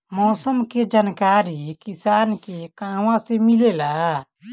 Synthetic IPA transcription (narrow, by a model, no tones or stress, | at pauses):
mɔːsəmked͡ʒaːnkaːɾikɪsaːnkekãːʋãsemɪleːlaː